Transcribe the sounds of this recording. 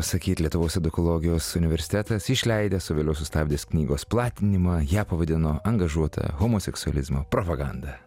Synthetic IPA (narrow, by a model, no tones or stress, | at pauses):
ɐsɐkʲiːt̪lʲiɛt̪ʊʋoːsɛd̪ʊkɔlˠoːɡʲɪjoːsʊnʲɪʋʲɛɾʲsʲɪ̥t̪ʲæt̪ɐsɪʃʲlʲɛɪd̪ʲesʊʋʲeːlʲɛʊsʊst̪ɑːbʲd̪ʲeːsknʲiːɡoːsplˠɑːt̪ʲɪnʲɪmɐjæːpɐʋɐd̪ʲɪnoːʔɐŋɡɐʒuɔt̪ʰɐ̰ɣomosʲɛksʊɐ̰lʲɪzmopɾopɐɡɑnd̪ɐ